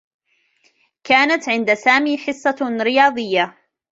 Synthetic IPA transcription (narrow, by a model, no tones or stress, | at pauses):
kaːnat̪ʕɪnd̪asaːmiːħɨsˤːɑɾɪjɑːd̪ˤɨjːa